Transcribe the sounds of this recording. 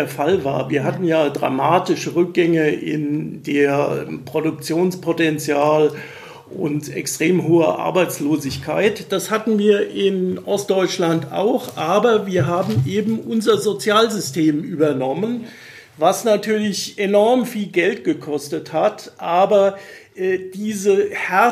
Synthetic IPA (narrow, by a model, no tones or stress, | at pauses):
ɐfalva̰ːɐviːɐɦatn̩jaːdʁa̰maːtɪʃəʁʏk̚ɡ̥ɛŋəʔɪ̰ndeːɐpʁ̥odʊk̚t͡sjoːnspʰotɛnt͡sjaːl | ʔʊntɛ̰kstʁ̥eːmɦoːɐ̰ʔa̰ɐbaɪt͡sloːzɪçkʰaɪtd̥ashatn̩viːɐʔɪnʔɔstd̥ɔʏt͡ʃlanta̰ʊxʔaːbɐviːɐɦaːbm̩ʔeːbm̩ʔʊnzɐzot͡sjaːlzʏstʰeːmʔyːbɐnɔmən | vasnatʰyːɐlɪçʔenɔɐmfiːlɡɛltɡ̥əkʰɔstəthatʔaːbɐʔɛːd̥iːzəhɛ